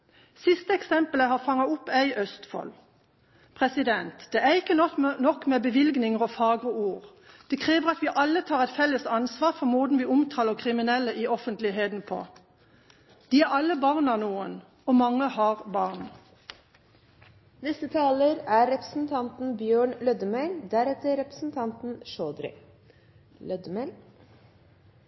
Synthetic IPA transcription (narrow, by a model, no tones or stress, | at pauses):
sɪst̪əɛksɛmpələɦɑːʁfɑŋɑʊpːæɪʔœst̪fɔ̰l | pʰʁɛsɪd̪ɛnt̪d̪̥ɛːæʁɪkːənɔknɔkmeːbəʋɪlɡnɪŋəʁɔfɑːɡɔuːʁ | d̪̥ɛkʰʁiːʋəʁɑt̪ʋiːʔɑlːət̪ʰɑːʁɛɪt̪fɛləsɑnsʋɑːʁfɔmoːd̪n̩ʋiːʊmt̪ʰɑːləʁkʰʁɪmɪnɛlːəʔiːɔfənt̪lɪɦeːd̪n̩pʰo̰ː | d̪̥iːæʁɑlːəbɑʁnɑnuːən | oːmɑŋːəhɑːʁbɑʁn | nɛsət̪ʰɑːləɾæɾɛpɾəsn̩t̪ʰɑnt̪n̩bjøːɳlœd̪əmæld̪æɾɛt̪əɾɛpɾə̥sn̩t̪ʰɑnt̪n̩ʃoːd̪ɾɪ̰ | lœd̪əmæl